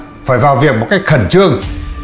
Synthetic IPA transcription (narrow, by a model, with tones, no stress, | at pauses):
faː˧˩jvaː˨˩wvi˨˩ək̚m˨˩t̚kaː˦˥k̚xə˧˩nt͡ɕɨ˧əŋ